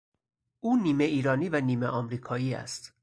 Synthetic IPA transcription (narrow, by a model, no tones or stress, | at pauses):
ʔuːniːmeʔiːɾɒːniːvæniːmeʔɒmɾiːkʰɒːiːæ̰st̪